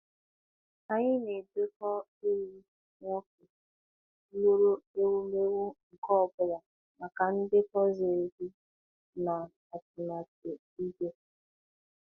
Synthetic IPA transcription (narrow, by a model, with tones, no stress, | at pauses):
a˨ɲɪ˦ne˨de˦kɔ˦ | e˦ɾi˦ | ŋʷo˦ke˨˦ | lo˦ɾo˦e˦wu˦me˦wu˦ŋ̩˨kɔ˦ɔ˨bʊ˨ɾa˨ | ma˨ka˨n̩˦dɪ˦kɔ˦ze˨e˨di˦ | na˨ | a˨tʊ˨na˨te˨ | i˦ɡe˦